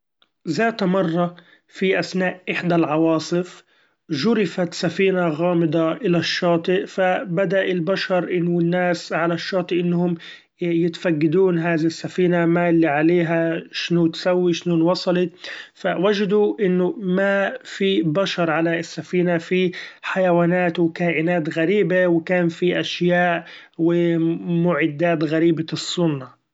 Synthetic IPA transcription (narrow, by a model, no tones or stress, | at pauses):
zaːt̪mɑrˤːɑ | fiʔasnaːʔʔɪħd̪alʕɑwɑːsˤɨf | ʒʊɾɪfat̪safiːnaɣaːmɪd̪ˤɑʔɪlaʃːɑːt̪ˤɨʔfabad̪aʔɪlbaʃɑɾˤʔɪnːʊɪnːaːsʕalaʃːɑːt̪ˤɨʔɪnːhʊm | jɪt̪faɡːad̪uːnɦaːðiɪsːafiːnamalːiʕaleːɦaʃɪnʊt̪sawːiʃnuːnwɑsˤɑlɪt̪fawad͡ʒd̪uʔɪnːʊmafibaʃɑɾˤʕalaɪsːafiːnafiħajawaːnaːt̪wɪkaːʔɪnaːt̪ɣaɾiːbawɪkaːnfiʔaʃjaːʔ | wɪmʊʕɪd̪ːaːt̪ɣaɾiːbasˤːʊnːa